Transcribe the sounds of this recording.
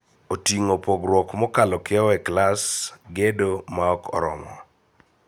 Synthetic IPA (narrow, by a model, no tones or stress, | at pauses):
otiŋopɔɡɾwɔkmɔkalɔkɪɔɛklasɡedomaɔkɔ̰ɾɔ̰mɔ